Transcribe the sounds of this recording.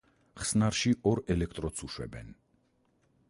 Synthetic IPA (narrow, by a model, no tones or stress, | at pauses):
χsnaɾʃiʔɔɾɛlɛkʰt̪ʼɾɔt̪sʰuʃwɛ̰bɛn